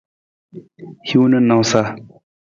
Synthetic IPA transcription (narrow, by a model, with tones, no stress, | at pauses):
hu˦nə˦nːa˨wsa˦